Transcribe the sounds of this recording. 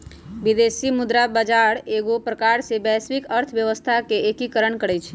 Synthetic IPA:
ʋid̪esimʊd̪ɾabəd͡ʒaɽeɡopɾəkaɾsebɛsʋikəɾt̪ʰʋjəʋəst̪ʰakeekikəɾəɳkəɽɛt͡ʃʰe

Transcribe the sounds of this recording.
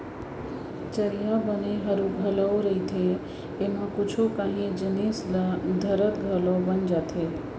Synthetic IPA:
t͡ʃəɾijabəneɦəɾuɡʱələoɾəɦit̪ʰeː | mãkʊt͡ʃʰokãɦĩd͡ʒənislad̪ʱəɾət̪ɡʱəlobənd͡ʒat̪ʰe

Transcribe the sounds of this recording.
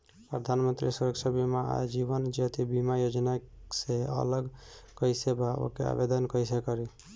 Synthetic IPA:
pɾəd̪ʱanmənt̪ɾisəɾəksəbimaa̰d͡ʒibənd͡ʒet̪ibimajod͡ʒnaseə̰ləɡkəjsebao̰kea̰bed̪ənkəisekəɾi

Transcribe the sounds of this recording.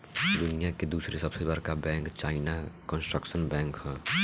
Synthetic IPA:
d̪ʊnijaked̪uːsɾesəbsebaɾkabɛ̃ːŋkt͡ʃaːɪnakɔnsʈɾəksənbɛ̃ːŋkɦɛː

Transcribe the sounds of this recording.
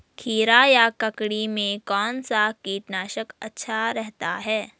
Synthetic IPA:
kʰiːɾajakɐkɽimẽkɔːnsakiːʈnaːʃəkɐtːʃʰaɾɛɦt̪a̰ɦɛː

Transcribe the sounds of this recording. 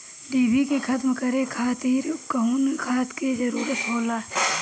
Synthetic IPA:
ɖiːbikekʰɐt̪mkəɾekʰaːt̪iːɾʊpkəɦunkʰaːt̪ked͡ʒəɾuːɾət̪ɦoːlaː

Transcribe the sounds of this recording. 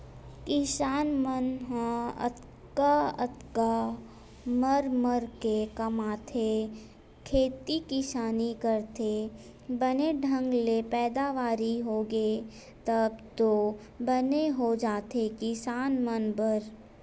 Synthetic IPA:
kɪsaːnmənɦãə̰t̪ | kaɐ̰t̪ka | məɾməɾkekɐmaːt̪ʰe | kʰeːt̪ikɪʃaːnikəɾt̪ʰe | bəneɖʱə̃ŋɡlepɛːd̪aʋaːɾiɦoːɡe | t̪əbt̪o | bəneɦod͡ʒaːt̪ʰekɪsaːnmənbəɾ

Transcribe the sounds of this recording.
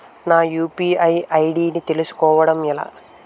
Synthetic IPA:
naːjuːpiɐjɐjɽiːnit̪e̞lusu̥kɔːʋɐɽɐmilɐ̰

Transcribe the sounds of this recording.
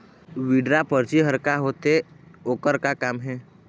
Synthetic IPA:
ʋiːɖɾapəɾt͡ʃiɦəɾkaɦoːt̪eoːkəɾkakaːmɦɛː

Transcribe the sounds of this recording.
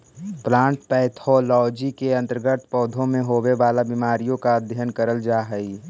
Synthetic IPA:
plãːɳʈpɛːt̪ʰɔlɔːd͡ʒikeɐ̃nt̪əɾɡət̪ʰpɔːd̪ʱõmẽɦoːweʋaːlabimaːɾijõkad̪ʱjənkəɾəld͡ʒaːɦəi

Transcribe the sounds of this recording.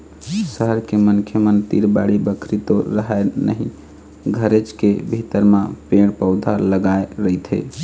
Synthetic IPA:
səɦəɾkemənkʰjəmənt̪iɾba̰ɽibəkʰɾit̪oɾəɦaenə̰ɦĩ | ɡʱəɾet͡ʃkebʱit̪əɾmapeɽ̃pəʊd̪ʱaləɡaeɾəjt̪ʰɦḛ

